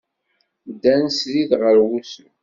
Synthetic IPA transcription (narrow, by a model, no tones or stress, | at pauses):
d̪ːænsliðʁəɾwusə